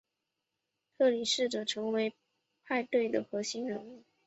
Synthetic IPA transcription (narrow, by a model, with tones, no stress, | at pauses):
t̪ʰɤ˥˩li˨˩ʂɻ̩˥˩ʈ͡ʂɤ˨˩ʈ͡ʂʰɤ˧˥ŋwe˧˥ɪ | pʰa˥˧ɪt̪we˥˩ɪd̪ə˩xɤ˧˥ɕi˥ŋɻə˧˥nu˥˩ŋ